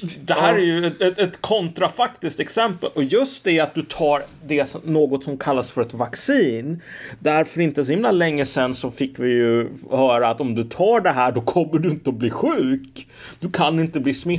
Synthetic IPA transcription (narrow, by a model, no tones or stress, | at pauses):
d̪ɛɦæːɾæjɵɛɛɛt̪kʰɔnt̪ɾafakt̪ɪsk̚t̪ɛksɛmpəlʔɔjɵst̪̚d̪ɛat̪̚d̪ɵt̪ʰɑːɾd̪ɛsɔnoːɡɔt̪sɔmkʰalːasfœɾɛt̪vaksiːnd̪æɾfœɾɪnt̪əsɔhɪmlalɛŋːəsɛnːsɔfɪkːvɪjɵhœːɾaːt̪ɔmd̪ɵt̪ʰɑːɖɛɦæːɖɔkʰɔmːəɖɵɪnt̪əɔbliːɧʉ̟ːk | d̪̥ɵkʰanːɪnt̪əbliːsmɪ